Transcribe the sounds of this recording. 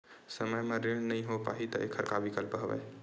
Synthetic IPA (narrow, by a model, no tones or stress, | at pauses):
səməjmẽɾeɽ̃nəɦĩɦopa̰ːɦit̪əʔḛkʰəɾkaʋikəlpɦəʋɛ̰ː